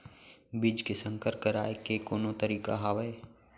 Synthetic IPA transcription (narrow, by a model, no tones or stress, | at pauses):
bɪd͡ʒkesə̃ŋkəɾkəɾaːekekoːnõt̪əɾiːka̰ɦaːʋəe